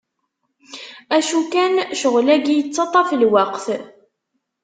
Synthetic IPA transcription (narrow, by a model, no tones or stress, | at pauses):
æʃukænʃəʁlæɡijət͡sːɑt̪ˤɑfəlwaqθ